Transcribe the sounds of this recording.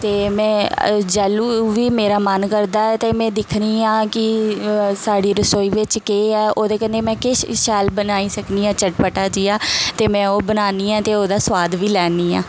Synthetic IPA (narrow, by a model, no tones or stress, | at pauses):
t̪eːmɛ̃ːd͡ʒaːluːʋiːmeːɾaːmənkəɾd̪aːɛːt̪eːmɛ̃ːd̪ɪkʰniːãːkɪ | saːɖiːɾəsoːiːʋɪt͡ʃkeːɛːoːd̪eːkəneːmɛ̃ːkeʃaːlbənaːiːsəkniːãːt͡ʃəʈpəʈaːd͡ʒiːaːt̪eːmɛ̃ːoːbənaːniːɛ̃ːt̪eːoːd̪aːsʋaːd̪ʋiːlɛːniːã̰ː